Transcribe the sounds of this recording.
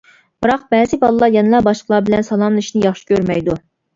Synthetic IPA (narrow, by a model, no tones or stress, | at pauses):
b̥ɨɾɑq̚bɛːzɪbɑlˠɨlˠɑɾjɛnɨlˠɑbɑʃqəlˠɑbɪlɛnsɑlˠɑmlˠɨiʃinɪjɑχʃi̥kʲʰøɾmɛjd̪u